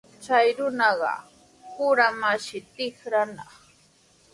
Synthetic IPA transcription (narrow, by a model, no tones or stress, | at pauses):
t͡ʃajɾʊnɑɢɑ̰ | pʊɾamaʃɪt̪ɪxɾanɑχ